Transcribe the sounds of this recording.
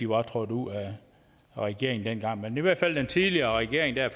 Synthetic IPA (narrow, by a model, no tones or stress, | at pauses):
iʋɑ̈t͡sʰʁɔd̥uð̰ˠæ | ʁɛɡ̥e̝ɐ̰eŋn̩d̥en̰ɡ̥ɑ̈ŋ̰meniʋæɐ̰d̥fæl̰d̥ent͡sʰiðˠliɐːʁɛɡ̥e̝ɐeŋd̥æɐ̰f